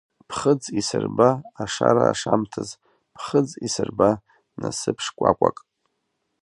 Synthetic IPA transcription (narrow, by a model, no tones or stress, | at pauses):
pʰχəd͡zisɨrbaːʂaɾaːʂamtʰaz | pʰχəd͡zisɨrba | nasɨpʰʂkʷʼakʷʼakʼ